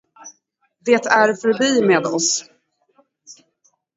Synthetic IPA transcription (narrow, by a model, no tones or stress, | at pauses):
d̪eːt̪ʰæɾfœɾbiːmeːd̪ɔs